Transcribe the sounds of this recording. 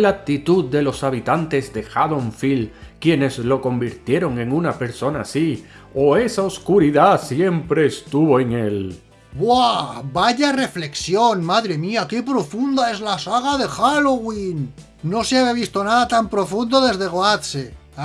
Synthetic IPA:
lak̚t̪it̪uðd̪e̞lo̞saβit̪ant̪e̞zðe̞xaðoɱfilkje̞ne̞zlo̞ko̞mbiɾt̪je̞ɾo̞ŋe̞ŋunape̞ɾso̞nasi | oe̞saoskuɾiðasje̞mpɾe̞ːst̪uβo̞eŋe̞l | bwabaʎare̞fle̞ksjo̞nmaðɾe̞miake̞pɾo̞fund̪ae̞zlasaɣaðe̞xaloɣwinː | o̞seaβjaβ̞ist̪o̞naðat̪ampɾo̞fund̪o̞ðe̞zðe̞ɣoatse

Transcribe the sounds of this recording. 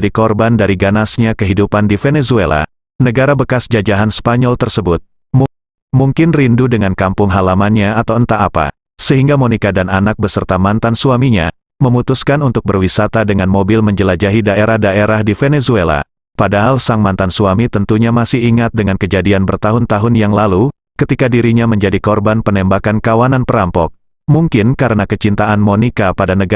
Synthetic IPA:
dikɔrbandaɾiɡanasɲakəɦidupandifenesuela̰ | nəɡaɾabəkasd͡ʒad͡ʒaɦanspaɲɔlt̪ərsəbʊt̪̚ | m | muŋkɪnrindudəŋankampʊŋɦalamanɲaːt̪awənt̪aʔːpa̰ | səɦiŋɡamonikadananak̚bəsərt̪amant̪ansuamiɲa̰ | məmut̪uskanunt̪ʊk̚bərwisat̪adəŋanmobɪlməɲd͡ʒəlad͡ʒaɦidaeɾahdaʔeɾahdifenesuela̰ | padaɦalsaŋmant̪ansuamit̪ənt̪uɲamasɪhiŋat̪̚dəŋankəd͡ʒadianbərt̪aɦʊnt̪aɦʊnjaŋlalu | kət̪ikadiɾiɲaməɲd͡ʒadikɔrbanpənɛmbakankawananpəɾampɔk̚ | muŋkɪnkaɾənakət͡ʃint̪aanmonikapadanəɡ

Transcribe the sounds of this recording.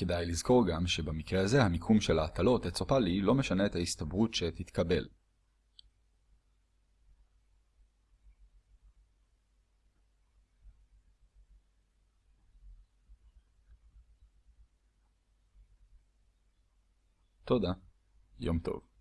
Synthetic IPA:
ke̞dajlizko̞ʁɡamʃe̞bamikʁeaze̞hamikʰumʃe̞laːt̪alo̞t̪et͡sopalilo̞meʃane̞et̪haist̪abʁutʃe̞t̪it̪kabe̞̰l | to̞d̪a | jo̞̰mt̪o̞̰v

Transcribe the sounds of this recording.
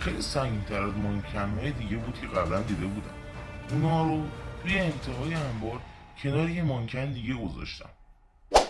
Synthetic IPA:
xejlḭsæŋɟiːnt̪ʰæɾæzmoncʰænhɒːjed̪iːɟebuːd̪̥̚kcʰe̞ɣæblænd̪iːd̪e̞buːd̪æ̰mʔunhɒːɾot̪ʰuːjeːmt̪ʰe̞ɦɒːjeæmbɒːɾcʰe̞nɒːɾijemoŋcʰænd̪iːɟe̞ɡo̞zɒ̰ʃt̪ʰæ̰m

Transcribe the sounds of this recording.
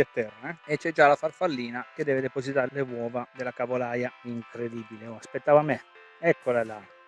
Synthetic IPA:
at̪ːɛrːeet͡ʃːɛd͡ʒalafarfalːiːnaked̪ɛːved̪epozit̪alewɔːvad̪elakavolajaiŋkɾed̪ibileoaspet̪ːaːvame | ɛkːolalaj

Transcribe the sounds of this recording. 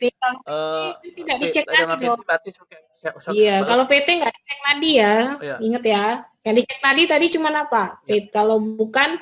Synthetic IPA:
t̪it̪aeet̪ut̪idaʔdit͡ʃɛknadidɔ | ijakalopet̪ɛŋɡaʔdit͡ʃɛk̚nadijaiŋət̪jajaŋdit͡ʃɛk̚nadit̪adit͡ʃumanapapet̪̚kalobukan

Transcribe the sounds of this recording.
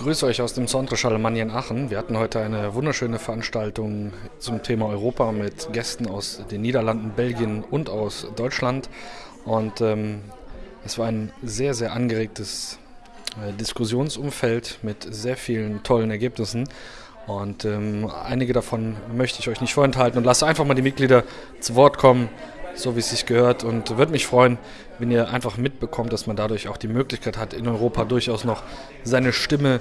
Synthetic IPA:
ɡ̥ʁyːsəɔʏçaʊsd̥eːmsandʁəʃalmanjanaːχn̩viːɐhatn̩hɔʏtəaɪnəvʊndɐʃøːnəfɛɐʔanʃtaltʊŋt͡sʊmtʰeːmaɔʏʁ̞oːpamɪtɡ̥ɛstn̩aʊsd̥eːnːiːdɐlandn̩bɛlɡjənʊntaʊsd̥ɔʏt͡ʃlantʔʊntɛːm | ʔɛsv̥aːɐaɪnzeːɐzeːɐʔanɡəʁeːk̚təs | dɪskʊzjoːnsʔʊmfɛltmɪtz̥eːɐfiːləntʰɔlənɛɐɡeːpnɪsn̩ | ʔʊntɛːmʔa̰ɪnɪɡədafɔnmœçtəɪçʔɔʏçnɪçtfoːɐɛnthaltn̩ʊntlastaɪnfaχmaːldiːmɪt̚ɡliːdɐ | t͡suvɔɐtkʰɔmənz̥oːviːsɪçɡ̥əhøːɐtʰʊntvʏɐdəmɪçfʁ̥ɔʏən | vɛniːɐʔa̰ɪnfaχmɪt̚b̥əkʰɔmtd̥asmandadʊɐçaʊχd̥iːmøːklɪçkʰaɪthatɪnɔʏʁ̞oːpʰadʊɐçaʊsnɔχ | z̥aɪnəʃtɪmə

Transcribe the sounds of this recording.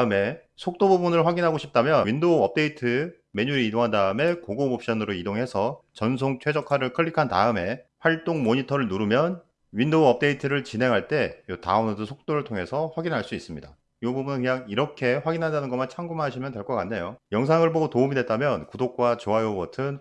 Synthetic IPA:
tɯme̞ | sʰok̚t͈obubunɯɭɸwaɡinɦaɡoɕʰip̚t͈amjʌwindoʌp̚t͈e̞itʰɯ | me̞ɲuɾiidoŋɦandaɯme̞koɡomop̚ɕ͈ʌnɯɾoidoŋɦe̞sʰʌt͡ɕʌns̬ʰoŋt͡ɕʰwe̞d͡ʑʌkʰaɾɯɭkʰɯɭːikʰanta̰ɯme̞ɸwaɭt͈oŋmoɲitʰʌɾɯɭnuɾumjʌn | wɥindoʌp̚t͈e̞itʰɯɾɯɭt͡ɕinɦe̞ŋɦaɭt͈e̞jota̰unodosʰok̚t͈oɾɯɭtʰoŋɦe̞sʰʌɸwaɡinɦaɭs͈uis͈ɯmɲida̰ | iɡʌbubunɯnkɯɲaŋiɾʌkʰe̞ɸwaɡinɦandanɯnɡʌmant͡ɕʰaŋɡumɦaɕʰimjʌndwe̞ɭk͈ʌk͈anːe̞jojʌŋs̬ʰaŋɯɭboɡotoumidwe̞t̚t͈amjʌnkudok̚k͈wat͡ɕoajobʌtʰɯn

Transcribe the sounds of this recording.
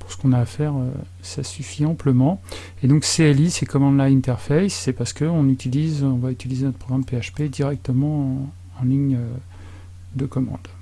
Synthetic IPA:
puʁsə̥kɔ̃naːfɛʁø̰ | sasyfiɑ̃pləmɑ̃ | ed̪ɔ̃kseɛlisekɔmɑ̃d̪laĩnt̪ɛʁfɛjsːɛpaʁsə̥kəɔ̃nyt̪ilizɔ̃vayt̪ilizenɔt̪ʰəpʰχɔɡʁampeaʃped̪iʁɛk̚t̪əmɑ̃ | ɑ̃liɲø | d̪əkɔmɑ̰̃d̪

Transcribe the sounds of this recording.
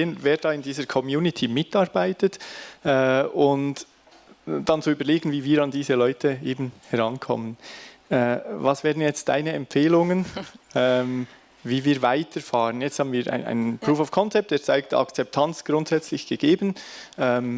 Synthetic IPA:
eːənveːɾdɑːɪndiːzəɾkʰɔmjuːnɪtʰimɪtɑːɾbaɪtətɛʊnt | d̥ɑnt͡suyːbəɾleːɡən̩viːviːɾɑndiːzəlɔʏtʰəeːbn̩hɛɾɑnkʰɔ̰mənɛvɑsv̥ɛːʁdn̩jɛt͡st̚d̥a̰ɪnəɛmpfeːlʊŋənɛm | viːviːɾvaɪtʰəɾfɑːʁənjɛt͡sthɑːbənviːɾʔa̰ɪna̰ɪnənpɾuːfaʊfkʰɔnt͡sɛp̚td̥eːɾt͡saɪktɑ̰kt͡sɛp̚tʰɑnt͡sɡ̥ɾʊntz̥ɛt͡slɪçɡ̥əɡ̥eːbənʔɛm

